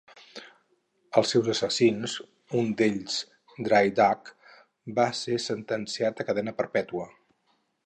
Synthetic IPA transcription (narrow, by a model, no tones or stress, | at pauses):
əlˠsːɛwzəsəsinz | und̪eʎz̥ | d̪ɾajd̪ak | basesənt̪ənsiat̪əkəðɛnəpəɾpɛt̪uə